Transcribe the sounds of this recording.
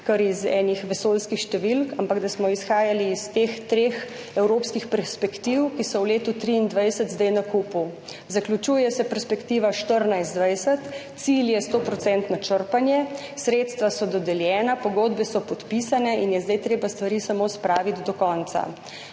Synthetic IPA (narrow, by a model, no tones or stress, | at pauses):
kəɾizɛ̰ːnixʋɛsoːlskixʃt̪ɛʋilkampaɡd̪asmɔisxaːjaliːst̪eːxt̪ɾeːx | ɛwɾoːpskixpɛɾspɛkt̪iwkisɔwleːt̪ut̪ɾiːnd̪ʋajsət̪zd̪ajnakuːpu | zaklut͡ʃuːjɛsɛpɛɾspɛkt̪iːʋaʃt̪əɾnajsd̪ʋajsət̪ | siljɛst̪oːpɾɔt̪sɛnt̪nɔt͡ʃəɾpanjɛsɾeːt̪st̪ʋasɔd̪ɔd̪ɛljɛːnapɔɡoːd̪bɛsɔpɔt̪pisanɛinjɛzd̪ajt̪ɾeːbast̪ʋaɾiːsamospɾaːʋit̪d̪ɔkɔnt̪sa̰